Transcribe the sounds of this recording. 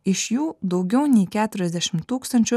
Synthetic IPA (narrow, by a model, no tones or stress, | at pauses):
ɪʃjuːd̪ɒʊɡʲɛʊnʲɛɪkʲæːt̪ʊɾʲɛzʲd̪ʲæʃʲɪmt̪uːkst̪ɐnʲt͡ʃʲʊ